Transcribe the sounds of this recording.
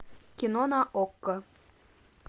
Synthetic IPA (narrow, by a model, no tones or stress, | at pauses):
kʲinonɑʔokːɤ